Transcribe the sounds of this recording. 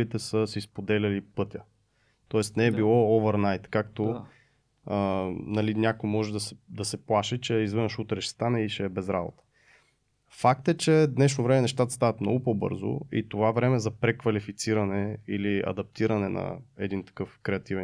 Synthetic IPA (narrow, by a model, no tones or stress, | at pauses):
it̪ɛsəsispod̪ɛlʲɐlipɤt̪ʲə | t̪ɔɛst̪nɛɛbilˠɔɔvɛɾnajt̪kakt̪o | ənɐlinʲakojmɔʒɛd̪ɐsɛd̪ɐsɛplˠaʃɛt͡ʃɛizvənʃut̪ɾɛʃɛ̥st̪anɛiʃɛːbɛzɾa̰bo̰t̪ə̥ | fak̚t̪ɛt͡ʃɛd̪nɛʃnovɾɛmɛnɛʃt̪at̪ə̥st̪avɐt̪mnɔ̰ɡʊpɔbɤ̰ɾzo̰ḭt̪ovavɾɛmɛzɐpɾɛkvɐlifit̪siɾɐnɛiliɐ̰d̪ɐp̚t̪iɾɐnɛnɐ̰ɛd̪int̪ɐ̥kɤfkɾɛɐt̪ivɛ